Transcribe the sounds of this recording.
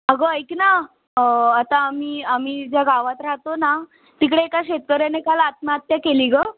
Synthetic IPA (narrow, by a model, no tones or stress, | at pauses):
əɡojkna | at̪ãːmiːam̤iːd͡ʑjaɡaʋat̪ɾaɦt̪ona | t̪ikɽeːkaɕet̪̚kəɾjanekalat̪̚mat̪jakeliɡə